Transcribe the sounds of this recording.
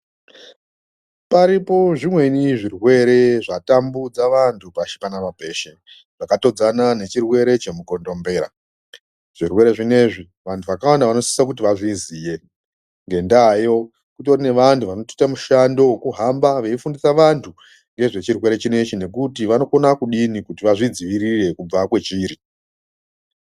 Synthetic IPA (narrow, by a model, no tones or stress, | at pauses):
paɾipo̞ʐimwe̞niʐirwe̞ɾe̞ʐatambud͡zaʋantʰupaʃi̥kanaʋabʱe̞ːʃe̞ | ʐ̥akato̞d͡zanane̞t͡ʃirwe̞ɾe̞t͡ʃe̞muko̞ndo̞mbe̞ːɾa̰ | ʐ̥irwe̞ɾe̞ʐine̞ʐi | ʋantʰuʋakawandaʋano̞si̥sak̬ut̬iʋaʐiziːje̞ | ŋɡe̞ndajo̞ | kutorine̞ʋantuʋanoti̥tamuʃando̞wkuɦambaʋeifundisaʋantʰu | ŋɡe̞ʐe̞t͡ʃirwe̞ɾe̞t͡ʃine̞t͡ʃine̞kutiʋano̞konakuɗinikutiʋaʐid͡ziʋiɾire̞kub͡vakwe̞t͡ʃiɾi